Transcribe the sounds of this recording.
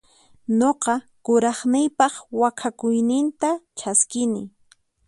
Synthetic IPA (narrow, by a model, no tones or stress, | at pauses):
ɲoqɑ | kʊɾɑχnɪjpɑχwakʰakʊjnɪnt̪at͡ʃaskɪnɪ̰